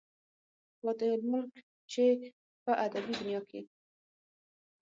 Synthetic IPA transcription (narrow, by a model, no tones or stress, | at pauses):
lɑd̪əlmʊlk | t͡ʃe | pəʔad̪abid̪ʊnjɑkʰe